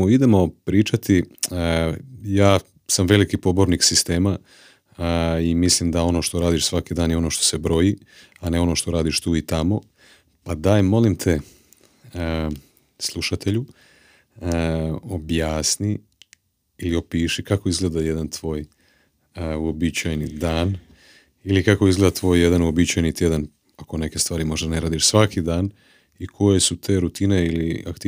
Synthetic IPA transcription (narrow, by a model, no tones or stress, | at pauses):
oid̪emo̞pɾiːt͡ʃat̪i | jaː | samʋe̞likipo̞bo̞ɾniksist̪e̞ːma | imislimd̪ao̞no̞ːʃt̪o̞ɾaːd̪iʃsʋakid̪aːnjeo̞no̞ʃt̪o̞̥se̞bɾo̞ji | ane̞o̞no̞ːʃt̪o̞ɾaːd̪iʃt̪uːit̪amo̞ | pad̪ajmo̞limt̪ʰe̞ | slˠuʃat̪e̞ʎu | objaːsniː | lio̞piːʃikako̞izɡle̞d̪aje̞d̪ant̪ʋo̞ːj | uobit͡ɕajnid̪aːn | ilikako̞izɡleːd̪at̪ʋo̞ːjːe̞d̪anuobit͡ɕajnit̪jed̪an | ako̞ne̞ke̞st̪ʋaːɾimo̞ʒd̪aneɾaːd̪iʃsʋakid̪aːn | ikʰo̞je̞sut̪ʰe̞ːɾut̪ine̞ilia̰kt̪i